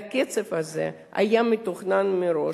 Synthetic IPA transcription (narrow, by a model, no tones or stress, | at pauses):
kɛt͡sefazḛ | a̰jamit̪oχnanmiɾo̞